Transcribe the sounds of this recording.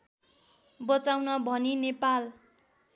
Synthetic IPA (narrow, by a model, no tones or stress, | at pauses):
bʌt͡sawnʌbʱʌninepal